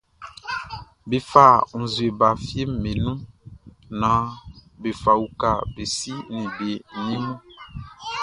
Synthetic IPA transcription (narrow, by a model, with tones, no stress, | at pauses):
be˨fa˦˨ŋ̩˨zu˨e˨ba˨fje˦m̩˨me˨nũ˦ | nã˨be˨fa˨wu˨ka˨be˨si˦nĩ˨be˨nĩ˦nũ˦